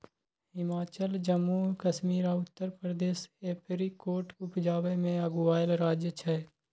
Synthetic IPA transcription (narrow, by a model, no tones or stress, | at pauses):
ɦɪmaːt͡ʃəld͡ʒəmːukəʃmiːɾaʊt̪ːəɾpɾəd̪eːseːpʰɾikoːɾʈʊpd͡ʒaːʋemẽəɡʊaːjəlɾaːd͡ʒjət͡ʃʰɛ